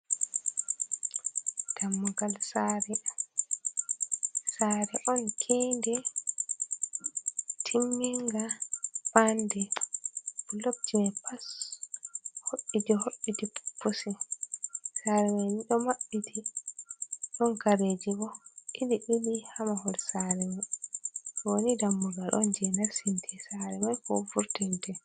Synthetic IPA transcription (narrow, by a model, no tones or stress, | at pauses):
d̥amːɔɡalsaɾɛ | saɾɛʔɔnkʰindɛ | tʰimːiŋɡabandɛ | lobtimɛpas | hoʔːidɔhoʔːitippːusɛ | saɾɛmajniɗɔmaɓːiti | ɗɔnkaɾed͡ʒiɡɔiliʔilihamahɔlsaɾɛma | wonidamːuɡalʔɔ̰nd͡ʒɛnasintʰɛsaɾɛmajkɔ̰fuɾtɛntɛ